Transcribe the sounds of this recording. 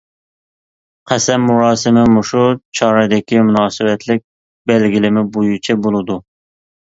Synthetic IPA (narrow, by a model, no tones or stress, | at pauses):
qʰɛsɛmːuɾɑːsɨmɪmuʃut͡ʃʰɑːɾɛd̪ɪkʲimunɑːsɨwɛt̪ʰlɪk̚ʲ | bɛlɡʲilɪmɪbojut͡ʃʰɛbolˠɨd̪u